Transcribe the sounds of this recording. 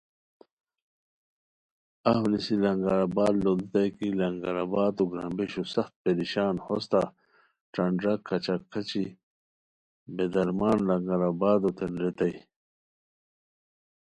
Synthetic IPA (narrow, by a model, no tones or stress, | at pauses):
ɐhunisilɐŋɡɐɾabaːd̪lod̪t̪ɐjkilɐŋɡaɾabaːt̪oɡɾãːmbeɕusɐxt̪̚peɾiɕaːnhost̪a | ʈɐɳɖɾɐkʰːɐt͡ɕakʰːɐt͡ɕi | bed̪ɐɾmaːnlɐŋɡɐɾabaːd̪ot̪enɾet̪ɐj